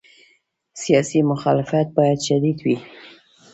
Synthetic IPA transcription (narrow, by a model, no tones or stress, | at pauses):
sijɑsimʊxɑlɪfat̪̚bɑjad̪ʃad̪id̪wi